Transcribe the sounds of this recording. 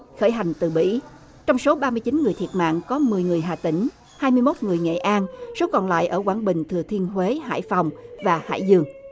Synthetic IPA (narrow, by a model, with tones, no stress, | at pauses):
xəː˧˩jɦa˨˩jŋ̟t̪ɨ˨˩ɓḭ˧˥ | t͡ɕɔ˧wŋ͡mso˨˦ɓaː˧mɨ˧əjt͡ɕi˨˦nŋɨ˨˩əjt̪ʰi˨˩ət̚ma̰ː˧˨ŋkɔ˨˦mɨ˨˩əjŋɨ˨˩əjɦaː˨˩t̪ï˨˩ŋ̟ | haː˧jmɨ˧jmo˦˥t̚ŋɨ˨˩əjŋḛ˧˨ʔaː˧nso˨˦kɔ˨˩nla̰ː˧˨jʔəː˧˩kwaː˧˩nɓï˨˩ŋ̟t̪ʰɨ˨˩ət̪ʰi˧ənɦwe˨˦ɦa̰ː˧˩jfa˨˩wŋ͡mvaː˨˩ha̰ː˧˩jzɨ˧˩əŋ